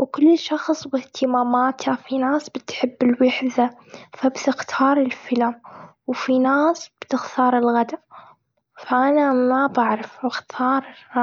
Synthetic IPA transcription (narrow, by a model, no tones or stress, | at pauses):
wkʊlːʃɑxsˤwɪht̪ʰɪmaːmaːt̪hafinaːsbɪt̪ħɪbːɪlwɪħðafabt̪ɪxt̪ʰɑːɾˤɪlfɪlamwfinaːsb̥t̪ɪxt̪ʰɑːɾˤɪlɣad̪a | faʔanamabaʕɾˤɑfɪxt̪ʰɑːɾˤ